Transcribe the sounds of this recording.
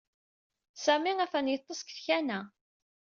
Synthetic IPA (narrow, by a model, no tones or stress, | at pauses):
sæmiæfænjət̪ˤːəskθçænæ